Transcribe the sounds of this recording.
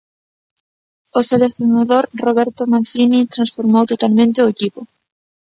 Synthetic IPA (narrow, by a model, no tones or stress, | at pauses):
oseleθjonaðoɾroβeɾt̪omansinit̪ɾãnsfoɾmowt̪ot̪almẽnt̪eʊekipo